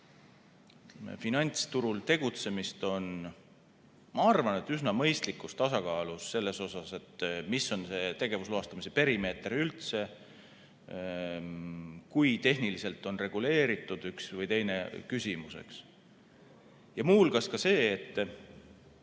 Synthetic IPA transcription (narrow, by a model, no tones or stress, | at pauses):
finɑnʲt̪st̪uɾult̪e̞ɡ̥ut̪se̞mist̪o̞n | mɑɑrvɑne̞t̪ːysnɑmɤ̞jst̪likːˑust̪ɑsɑkɑːlusːe̞lːe̞so̞sɑse̞t̪miso̞nse̞ːt̪e̞ɡ̥e̞vusluɑst̪ɑmise̞pe̞ɾime̞ːt̪ɾiylt̪se̞ | kujt̪e̞ɦnilise̞lt̪ːˑo̞nre̞ɡ̥ule̞ːɾit̪ːˑud̪̥yksvɤjt̪e̞jne̞kysʲimuse̞̰ks | jɑmuːlɡɑskɑse̞ːt̪ˑː